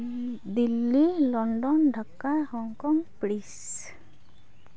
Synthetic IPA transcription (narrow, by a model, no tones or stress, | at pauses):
d̪ilːilɔɳɖɔnɖʱakːahɔŋkɔŋpɽis